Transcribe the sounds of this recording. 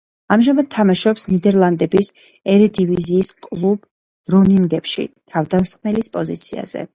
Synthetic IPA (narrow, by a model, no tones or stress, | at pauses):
amʒamad̪̥̚t̪ʰːamaʃɔpsnid̪ɛɾlˠand̪ɛbis | ɛɾɛd̪iviziːskʼlˠub̥ | ɾɔniŋɡɛpʃḭt̪ʰavd̪asχmɛlispʼɔzḭt̪sʰia̰z̥ɛ̰